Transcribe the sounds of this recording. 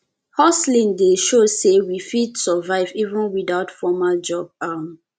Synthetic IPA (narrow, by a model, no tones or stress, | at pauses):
hɔslĩndeʃosewifidsəvaɪvivə̃nwiðaʊtfɔmald͡ʒɔb̚am